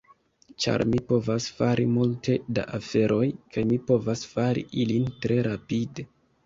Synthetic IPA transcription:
t͡ʃa̰ɾmipo̞vasfaɾʔimultʰe̞da̰ʔafe̞ɾʔo̞jkajmipo̞vasfaɾḭʔilintɾe̞ɾapide̞

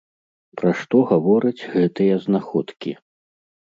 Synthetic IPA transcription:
pɾaʂt̪ɔɣavɔɾɐd͡zʲɣɛt̪ɨjɐznaxɔt̪kʲḭ

